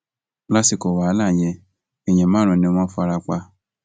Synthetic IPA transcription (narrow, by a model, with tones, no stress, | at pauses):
la˦si˨ko˨wa˨˦la˦˨j̃ɛ̃˧ | ɛ˨j̃ɛ̃˨mãː˦ɾ̃ɔ̃˧˨nĩ˧o˧mã˦fu˦a˧ɾa˧k͡pa˧